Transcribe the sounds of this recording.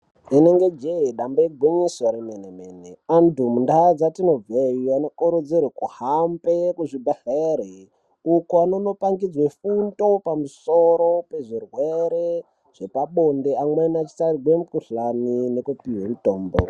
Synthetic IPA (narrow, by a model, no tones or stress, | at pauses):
ineŋɡe̞d͡ʒeiɗambaiɡʱwiɲiswaɾimenemeːnḛandumundad͡zatino̞b͡veianokuɾud͡zirekuhampekuʐibʱaxeɾe | ukoano̞no̞paŋɡid͡zwefundo̞pamusoɾo̞pe̞ʐirwe̞ɾe | ʐ̥e̞paɓo̞ndeamwenat͡ʃi̥saɾiɡwemukuɬaninekupiɦwemutoːmbo̰